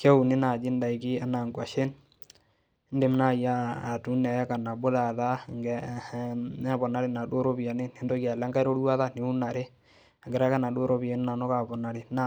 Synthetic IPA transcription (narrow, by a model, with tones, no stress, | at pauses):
ke˦u˨nɪ˦na˨d͡ʒɪ˦n˦da˨i˨kɪ˦a˦na˨ŋɡwa˨ʃe˦n˦ | nde˨m˦na˦˨jaː˦˨tu˨˦nɛ˨ja˦ka˨na˨bo˦la˨ða˦˨ŋɡɛ˨ | ɛ˦bɔ˨na˨ɾi˨na˨do˦ɾo˦bi˨a˨ne˦ne˨˦ndo˦ki˦a˨la˦ŋɡa˦jɾo˦ɾwa˦ða˦ne˨˦u˦na˨ɾe˦ | a˨ŋɡɪ˨ɾa˦ka˦na˨do˦ɾo˦bi˨a˨n˦na˨no˦ka˨bɔ˨na˨ɾi˨˦na˨